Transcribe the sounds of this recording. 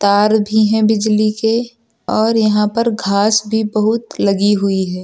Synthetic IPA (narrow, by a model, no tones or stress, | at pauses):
t̪aːɾbʱiɦɛ̃bɪd͡ʒlike | ɔːɾjɐɦãpɐɾɡʱaːsbʱibɐɦʊt̪lɐɡiɦʊiɦɛː